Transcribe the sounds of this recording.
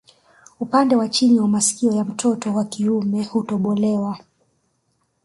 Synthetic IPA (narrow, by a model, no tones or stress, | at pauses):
upandɛwat͡ʃiniwamasi̥kiɔjam̩tʰɔtɔwakiumɛhutɔɓɔlɛwa